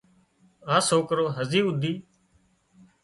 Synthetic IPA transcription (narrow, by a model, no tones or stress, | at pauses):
ãːsoːkɾoːɦəziːʊd̪ʱiː